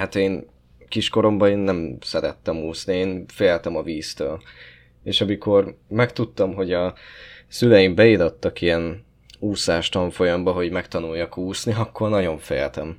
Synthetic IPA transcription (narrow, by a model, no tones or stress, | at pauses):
hat̪eːn | kiʃko̞ɾo̞mbɒeːnːɛmsɛɾɛt̪ːɛmuːsnieːnfeːlt̪ɛmɒviːst̪øːl | eːʃɒmiko̞rmɛkt̪ut̪ːɒmɦo̞ɟɒsylɛjimbɛilot̪ːɒkijɛn | uːsaːʃt̪ɒɱfo̞jɒmbɒɦo̞ɟmɛkt̪ɒnujːɒkuːsniɒkːo̞rnɒɟo̞ɱfḛːlt̪ɛm